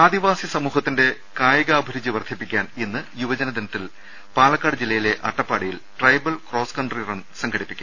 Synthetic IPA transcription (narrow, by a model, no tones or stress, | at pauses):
aːd̪iʋaːsisɐmuːɦɐt̪ːinde̞ | kaːjɐɣaːbʱɐɾud͡ʑiʋɐrd̪ʰʱipːikʲːaːnenːɨjuʋɐd͡ʑɐnɐd̪ɐnɐt̪ːil | paːlɐkːaːɽɨd͡ʑilːɐjile̞ʔɐʈːɐpːaːɽijilʈrɐjbɐlkro̞ːskɐɳɖrirɐnsɐŋɡʰʱɐɽipːikʲːu